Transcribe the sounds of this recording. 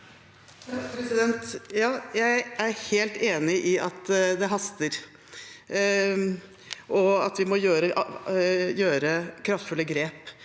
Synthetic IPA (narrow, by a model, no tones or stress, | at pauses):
pɾɛsɪd̪ɛnt̪jɑːjæɪæɾheːlt̪eːnɪʔɪʔɑt̪d̪ɛɦɑst̪əɾ | ʔɔɑt̪ʋɪmɔjøːɾəʔ | jøːɾəkʰɾɑft̪fʉlːəɡɾeːp